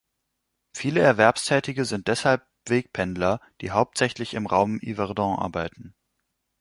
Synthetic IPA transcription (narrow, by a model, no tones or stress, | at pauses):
fiːləɛɐvɛɐpstʰɛːtɪɡəzɪnt̚d̥ɛshalp̚v̥eːk̚pʰɛndlɐd̥iːɦaʊp̚tz̥ɛçlɪçɪmʁaʊmḭvɛʁdɑ̃ʔa̰ɐbaɪtn̩